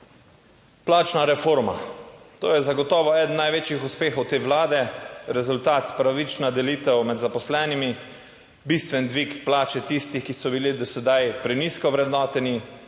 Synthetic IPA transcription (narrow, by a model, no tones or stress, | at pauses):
plaːt͡ʃnaɾɛfoːɾma̰t̪o̰ːjɛzaɡɔt̪ɔːʋɔɛːd̪n̩nːajʋeːt͡ʃjixuspeːxɔwt̪eːʋlaːd̪ɛɾɛzult̪aːt̪pɾaʋit͡ʃnad̪ɛliːt̪ɛwmɛd̪zapɔslɛːnimi | bist̪ʋɛnd̪ʋikplaːt͡ʃɛt̪ist̪ixkisɔbilid̪ɔsɛd̪ajpɾɛniskɔʋɾɛd̪nɔːt̪ɛni